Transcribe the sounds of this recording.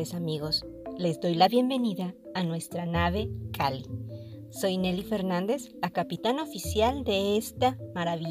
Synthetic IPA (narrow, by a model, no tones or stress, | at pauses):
esamiɣo̞s | le̞zd̪o̞jlaβje̞mbe̞niðaː | nwe̞st̪ɾanaβe̞kʰali | so̞jne̞life̞ɾnand̪e̞zlakapit̪ano̞fisjald̪e̞est̪amaɾaβi